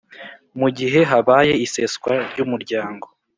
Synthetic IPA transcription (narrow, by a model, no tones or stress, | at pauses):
muɟiɦe̞ɦaβaje̞iseskwaɾɟumuɾɟaːŋɡo̞